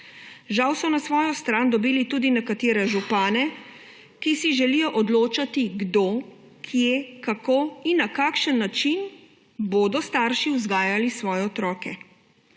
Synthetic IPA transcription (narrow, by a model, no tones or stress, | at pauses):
ʒawsɔnasʋɔːjɔst̪ɾaːnd̪ɔbiːlit̪uːd̪inɛkat̪eːɾɛʒupaːnɛ | kisiʒɛlijɔʔɔd̪loːt͡ʃat̪iɡd̪o | kʰjekakoːinːakaːkʃənːat͡ʃin | boːd̪ɔst̪aːɾʃiwzɡaːjalisʋɔːjɛɔt̪ɾɔːkɛ